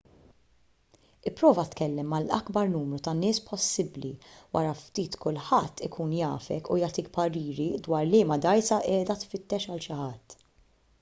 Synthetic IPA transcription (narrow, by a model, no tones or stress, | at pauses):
ɪpːɾɔːvɐt̪kɛlːɛmːɐlɐ̰ɡbɐɾnuːmɾut̪ɐnɪːspɔsːɪblḭwʔɐɾɐft̪iːt̪kʊlħɐt̪ːɪkʰuːnjɐ̰ːfɛkujɐːt̪ikpɐɾiːɾid̪wɐːɾlɪːmɐd̪ɐjsɐʔɛːd̪ɐt̪fɪt̪ːɛʃɐlʃɪħɐt̪ː